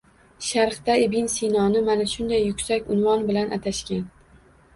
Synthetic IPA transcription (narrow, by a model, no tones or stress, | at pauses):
ʃaɾχt̪aɪbɪnsinɒnɪmanaʃʊnd̪ajːʊkʲsakʲʊnvɒnbɪlanʔat̪ʰaʃkʲan